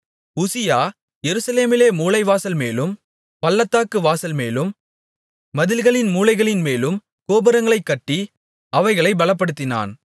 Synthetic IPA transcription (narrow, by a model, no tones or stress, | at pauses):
ʊsɪjaː | jɛɾɯsɐleːmɪleːmuːlɐɪʋaːsɐlmeːlɯm | pɐlːɐt̪ːaːkɯʋaːsɐlmeːlɯmː | ɐðɪlɣɐɭɪnmuːlɐɪɣɐɭɪnmeːlɯm | koːbɐɾɐŋɡɐɭɐɪkːɐʈːi | ɐʋɐɪɣɐɭɐɪbɐlɐp̬ːɐɽɯt̪ːɪna̰ːn